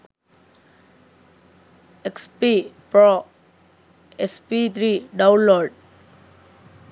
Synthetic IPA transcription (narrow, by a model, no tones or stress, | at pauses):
ekspipɾɔ | ɛspit̪ʰɾiɖãwnlɔɾɖ̚